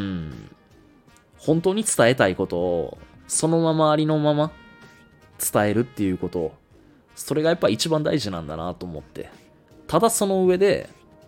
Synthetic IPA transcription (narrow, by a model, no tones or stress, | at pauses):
ɯ̟̃ | hõ̞nt̪o̞ːɲ̟it͡sɨ̥t̪ae̞t̪aiko̞t̪o̞̰ːso̞no̞mamaːɾʲino̞mama | t͡sɨ̥t̪ae̞ɾɯ̟t̪ːe̞jɯ̟ko̞t̪o̞ | so̞ɾe̞ɡajapːait͡ɕibãnd̪aiʑinã̰nd̪a̰na̰t̪o̞ːmo̞t̪ːe̞̰ | t̪ad̪aso̞no̞ɯ̟βe̞d̪e̞̰